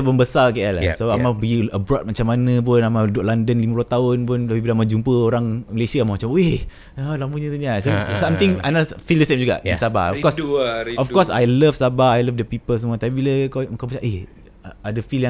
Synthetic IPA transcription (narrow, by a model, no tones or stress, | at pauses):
bəmbəsakaaʔlasoamabəɡiəbɾɔt̚mat͡ʃamːanə̃p̬ʊnamadaʔlandənlimabluat̪aʊnpʊnt̪apibiləamad͡ʒumpəoɾaŋməlesiaamamat͡ʃamoe | alampuɲãt̪uɲasasamt̪iŋajnafildəsemd͡ʒuɡa̰ʔisaba̰ɔfkɔsɔfkɔsa̰jləfsabaajlafdəpipəls̬əmũat̪apibiləkauŋkawmat͡ʃaʔeh | adəfiljã